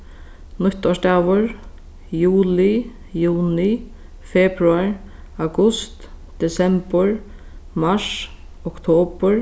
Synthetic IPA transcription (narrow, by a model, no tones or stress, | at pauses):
nʊt̪ɔʃt̪aːʋʊɹ | juːlɪ | juːnɪ | fɛbɾuaɹ | awɡʊst̪d̪̥ɛsɛmpəɹ | maʂ | ɔkt̪ʰoːpəɹ